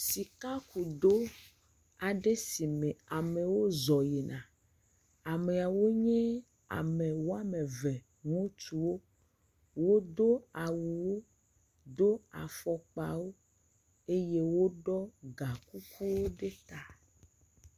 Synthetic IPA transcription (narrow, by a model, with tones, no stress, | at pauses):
si˨ka˦ku˨d̪o˦ | a˨ɖe˦si˨mẽ˨a˨me˨wo˦zɔ˨je˨nã˨ | a˨me˨a˨wo˦ɲẽ˦ | a̰˨mẽ˨wo˦a˦me˨vɛ˨ | ŋũ˦t͡ʃu˨wo˦ | wo˦d̪o˦a˨wu˨wo˦ | d̪o˦a̰˨fɔ˨k͡pa̰˨wo˦ | e˦je˦wo˦ɖɔ˦ɡa˨ku˦ku˦wo˦ɖe˦t̪a˨